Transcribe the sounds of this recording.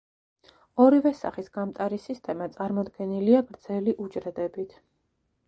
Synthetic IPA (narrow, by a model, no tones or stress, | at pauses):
ɔɾivɛsa̰χisɡ̥amt̪ʼaɾisist̪ʼɛmat̪sʼaɾmɔd̪ɡɛniliaɡɾd̪zɛliʔud͡ʒɾɛd̪ɛbit̪ʰ